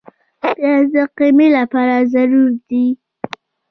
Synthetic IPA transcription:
tjɑd̪əqimelapɑɾazaɾuɾd̪i

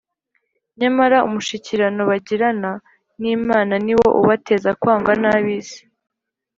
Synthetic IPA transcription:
ɲamaɾaṵmuʃiciɾano̞βaɟiɾana | niːmaːnaniwo̞̰ʔuβate̞zakwaːŋɡanaβiːzi̥

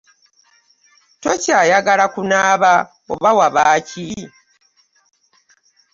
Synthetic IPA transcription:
to̞caːjaɡalakunaːβa | o̰βawaβaːci

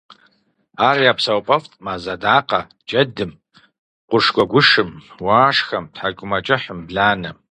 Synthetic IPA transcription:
aːrjaːpsɐwpʼɐftʼmaːzɐdaːqɐ | d͡ʒɐdɨm | qʷʊʂɡʷɔɡʷʊʂɨmwaːʂxɐmtħaɡʷʼʊmɐt͡ʃʼɨħəmbɮaːnɐ

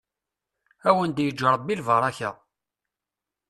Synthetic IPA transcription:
æwənd̪jəd͡ʒːəɾˤbilvəɾˤɑçə̰

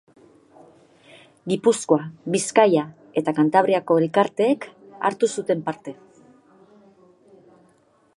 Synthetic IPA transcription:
ɡipusko̞aβiskaja | e̞t̪akant̪aβ̞ɾiako̞elkaɾt̪e̞ːka̰ɾt̪usut̪e̞mpaɾt̪e̞

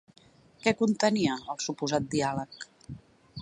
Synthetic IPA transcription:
kɛkunt̪əniəːlˠsupuzat̪̚d̪ialək

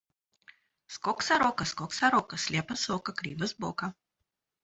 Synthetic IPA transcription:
skɔksaɾɔkɐskɔksaɾɔkɐsʲlʲepɐsɔkɐkɾʲḭvɐzbɔ̰kɐ

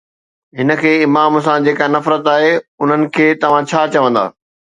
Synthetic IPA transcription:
ɦɪnə̆kʰeːɪmaːms̬ãd͡ʑeːkanɐfɾət̪aːɦeʊn̤ənɪ̆kʰeːt̪ɐʋ̤ãt͡ɕʰaːt͡ɕɐʋə̃nd̪a̰ː

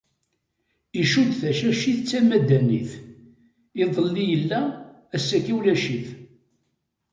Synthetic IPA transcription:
iʃud̪θæʃæʃiθt͡sːæmæd̪ænḭθ | iðˤəlːijəlːæː | sːækæwlæʃiθ

